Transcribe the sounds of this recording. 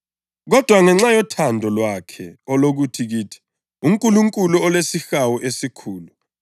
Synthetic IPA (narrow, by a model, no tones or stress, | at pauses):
k̬ɔd̥ʱwaŋɛŋ͡ǁajɔtʰandʱɔlwakʰɛɔlok̬utʰik̬iːtʰi̥ | umkʼuluŋkʼuluɔlwesixawuʔesikʰuːlu